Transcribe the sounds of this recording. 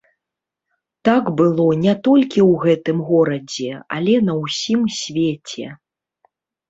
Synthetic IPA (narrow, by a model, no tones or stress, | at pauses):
t̪aɡbɨlˠɔnʲɛt̪ɔlʲkʲiwɣɛt̪ɨmɣɔɾɐd͡zʲɛɐ̰lʲɛnɐwsʲimsʲvʲet͡sʲɛ̰